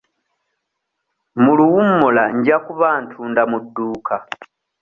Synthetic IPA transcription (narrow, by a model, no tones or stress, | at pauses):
muluwumːolaɲɟakuβaːntʰuːndamudːuːkʰa